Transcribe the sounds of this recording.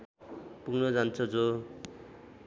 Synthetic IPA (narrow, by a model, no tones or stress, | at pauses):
puɡnʌd͡zant͡sʰʌd͡zo